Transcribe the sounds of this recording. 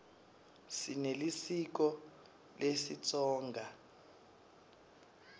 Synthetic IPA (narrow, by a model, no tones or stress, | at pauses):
sinelisik̬ɔ | lʔesit͡sʼɔːŋɡʱa